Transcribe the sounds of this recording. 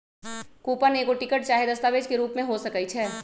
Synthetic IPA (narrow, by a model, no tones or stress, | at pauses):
kuːpəneːkoʈɪkəʈ̚t͡ʃaːɦed̪ɐst̪aːʋeːd͡ʒkeɾuːpmẽɦosɐkəit͡ʃʰɛː